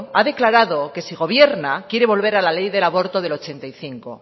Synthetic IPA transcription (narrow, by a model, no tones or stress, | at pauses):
aðe̞klaɾaðo̞ke̞siɣ̞o̞β̞je̞ɾnakje̞ɾe̞β̞o̞lβe̞ɾalale̞jðe̞laβo̞ɾt̪o̞ðe̞lo̞t͡ʃe̞nt̪ajθiŋko̞̰